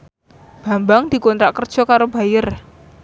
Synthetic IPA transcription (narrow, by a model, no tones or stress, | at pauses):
b̥a̤mbaŋd̪̥i̤kɔnt̪ɾaʔkərd̥ʒ̥ɔ̤kaɾoba̤jər